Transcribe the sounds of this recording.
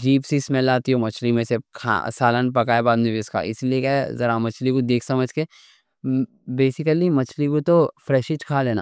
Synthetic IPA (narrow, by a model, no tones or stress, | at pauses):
d͡ʒiːpsismɛlaːt̪iɦomɐt͡ʃʰlimẽsekʰa̰saːlanpɐkaːebaːd̪mẽbiska̰ɪ̰sliekɛzɐɾamɐt͡ʃʰlikud̪eːkʰsɐməd͡ʒke | beːsɪkəlimɐt͡ʃʰlikut̪ofɾɛːʃɪt͡ʃkʰaːleːna̰ː